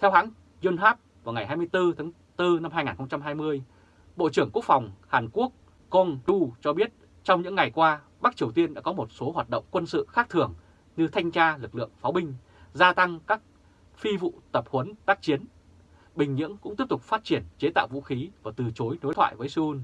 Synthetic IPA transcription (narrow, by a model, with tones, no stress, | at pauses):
t̪ʰɛ˧whɦa̰ː˧˥ŋ | zu˧nɦaː˦˥p̚vaː˨˩wŋa˨˩jɦaː˧jmɨ˧əjt̪ɨ˧t̪ʰa˨˦ŋ | t̪ɨ˧na˧mhaː˧jŋaː˨˩nxə˧wŋ͡mt͡ɕa˧mɦaː˧jmɨ˧əj | ɓo̰˧˨t͡ɕɨ˧˩əŋku˦˥ək̚fa˨˩wŋ͡mhaː˨˩nku˦˥ək̚ː | ɔ˧nɗu˧t͡ɕɔ˧ɓi˦˥ət̚ | t͡ɕɔ˧wŋ͡mɲɨ̰˧˥ŋːa˨˩jkwaː˧ | ɓa˦˥k̚t͡ɕi˨˩əwt̪i˧ənɗa̰ː˧˥kɔ˨˦mo˨˩t̚so˨˦ɦwaː˨˩t̚ɗə̰˧˨wŋ͡mkwə˧nsɨ̰˧˨xaː˦˥k̚t̪ʰɨ˨˩əŋ | ɲɨ˧t̪ʰa˧jŋ̟t͡ɕaː˧lɨ˨˩k̚lɨ̰˧˨əŋfaː˨˦wɓï˧ŋ̟ | zaː˧t̪a˧ŋkaː˦˥k̚ | fi˧vṵ˧˨t̪ə˨˩p̚hə˨˦nt̪aː˦˥k̚t͡ɕi˨˦ən | ɓï˨˩ŋ̟ɲɨ̰˧˥əŋkʊ̰˧˥ŋ͡mt̪əp̚t̪ʊ˨˩k͡p̚faː˦˥t̚t͡ɕi˧˩ənt͡ɕe˨˦t̪a̰ː˧˨wvṵ˧˥xi˨˦vaː˨˩t̪ɨ˨˩t͡ɕo˨˦jno˨˦jt̪ʰwa̰ː˧˨jvəː˨˦jsɨ˧u˧n